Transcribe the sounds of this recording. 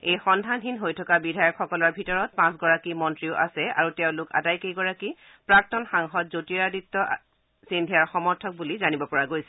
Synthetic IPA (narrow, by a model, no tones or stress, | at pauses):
ejxɔndʱandinɦojtʰɔkabidʱajɔkxɔkɔlɔɹbʱitɔɹɔt̚pãs̬ɡɔɹakimɔntɹiʊʔa̰sɛa̰ɹutɛʊ̃lʊka̰dajkejɡɔɹaki | pɹak̚tɔnxaŋxɔtzotiaditːɔ | sindʱiaɹxɔmɔɹtʰɔk̚bulizanibɔpɔɹaɡojsɛ